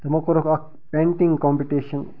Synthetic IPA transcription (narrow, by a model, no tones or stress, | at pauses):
t̪ɐmɐkoɾɐkɐk | pẽːɳʈiŋɡkɔːmpiʈiʃɐn